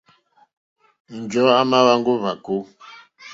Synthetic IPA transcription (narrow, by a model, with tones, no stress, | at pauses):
n̩˨d͡ʒɔ˨˦a˦ma˦wa˦ŋɡo˦va˨ko˦